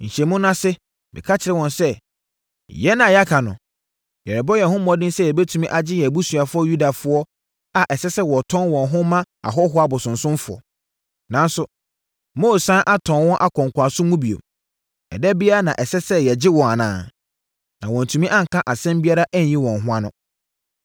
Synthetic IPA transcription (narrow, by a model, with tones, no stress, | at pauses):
ɲ̩˨ɕɛ˨mʊ̃˦nã˦sɪ˦ | mɪ̰˨kʰa˦t͡ɕʰɪ˨ɾɛ˦wɔ̃˨nsɛ˦ | jɛ˦nã˨ja˦kʰa˨nʊ̰̃˨ | jɛ˨ɾɪ˨bɔ˦jɛ˨ɦʊ̃˦mɔ̃˦dɪ̃˦n˦sɛ˦jɛ˨be˦tʰu˨mĩ˦ʔa˨d͡ʑɪ˦jɛ˨bu˦su˨a˨fʊ˦ɔ˦ju˦da˨fʊ˦ɔ˦ | a˨ʔɛ˨sɛ˦sɛ˦wɔ˨tʰɔ̃˦nwɔ̃˨nɦʊ̃˦mã˦ | a̰˨ɦɔ˦ɦʊ˦a˨bʊ˨sʊ̃˨nsʊ̃˦mfʊ˨ɔ̰˨ | nã˨n˦sʊ˨ | mo˦˨sã˦ʔa˦tʰɔ̃˨nwɔ̃˦ʔa˦kʰɔ̃˨ŋkʰʷa˨sʊ̃˦mũ˦bi˨o̰˨ | ɛ̰˨dɛ˦bi˦a˦a˦˨nã˨ʔɛ˨sɛ˦sɛ˦jɛ˨d͡ʑɪ˦wɔ̃˨a˨nã̰ː˨ | nã˨wɔ̃˨n˨tʰũ˨mĩ˦ʔã˦ŋ̩˨kʰã˦ʔa˨sɛ̃˦mbi˦a˦ɾa˦ʔæ˦ɲ˨jĩ˦wɔ̃˨nɦʊ̃˦a˦nʊ̃˦